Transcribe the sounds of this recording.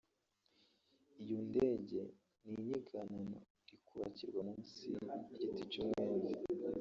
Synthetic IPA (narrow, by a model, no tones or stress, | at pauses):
ijondeɟe̞ | niɲiɡanano̰ | ɾikʰuβa̰ciɾɡwanumusḭɟitit͡ʃumŋeːnzi